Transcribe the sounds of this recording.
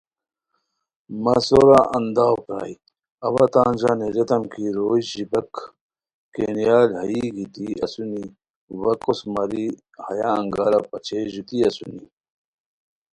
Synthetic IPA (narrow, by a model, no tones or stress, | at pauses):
mɐsoɾaʔɐnd̪aːwpɾa̰ːi | ɐβɐt̪aːnd͡ʑaneɾet̪ɐmkʰiɾoːʑibɐkː | enijaːlhɐiɡit̪iɐ̰suni | wɐkosmɐɾi | hɐjaɐŋɡaːɾapɐt͡ɕʰeʑut̪iɐsṵni